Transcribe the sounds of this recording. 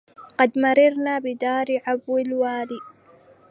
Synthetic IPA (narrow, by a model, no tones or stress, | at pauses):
qɑd̪mɑɾˤɑɾˤnaːbɪd̪aːɾɪʕabwɪlwaːliː